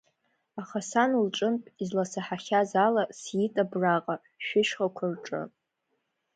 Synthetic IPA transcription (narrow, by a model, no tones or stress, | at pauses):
aχasanulʈ͡ʂʼɨmpʼizlasaħaχʲazalasjitʼabraqʼa | ʃᶣɪʃχakʷʰarʈ͡ʂʼɨ̰